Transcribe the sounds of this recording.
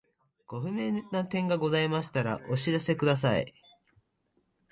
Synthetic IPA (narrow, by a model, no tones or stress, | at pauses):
ɡ̥o̞ɸɯ̟me̞nːat̪ẽ̞ŋɡaɡo̞zaimaɕi̥t̪aɾa̰ʔo̞ɕiɾase̞kɯ̟d̪as̬aḭ